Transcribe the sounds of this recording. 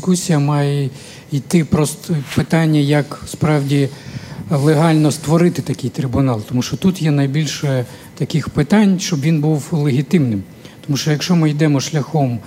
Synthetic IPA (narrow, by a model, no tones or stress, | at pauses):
kusʲijɐmɑjɛ | ijt̪ɪpɾɔst̪ɔpɪt̪ɑnʲːɐjɐkspɾɑwdʲi | lˠeɦɑlʲnɔst̪ʋɔɾɪt̪ɪt̪ɐkʲɪjt̪ɾʲɪbʊnɑlˠt̪ɔmuʃt͡ʃɔt̪ut̪jɛnɐjbʲilʲʃɛ | t̪ɐkɪxpɪt̪ɑnʲʃt͡ʃɔbʋʲinbuwlˠeɦʲit̪ɪmnɪm | t̪ɔmuʃt͡ʃɔjɐkʃɔmɪjd̪ɛmɔʃlʲɐxɔm